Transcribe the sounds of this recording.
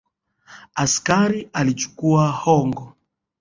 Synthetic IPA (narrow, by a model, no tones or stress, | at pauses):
askaɾialit͡ʃu̥kuahɔŋɡɔ